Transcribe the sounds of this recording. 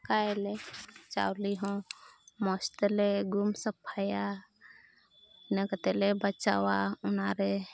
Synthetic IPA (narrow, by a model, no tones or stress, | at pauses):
kaelet͡ʃa̰wliɦõmɔst̪eleɡumsəpʰaja | nekət̪elebət͡ʃa̰waʊnaɾe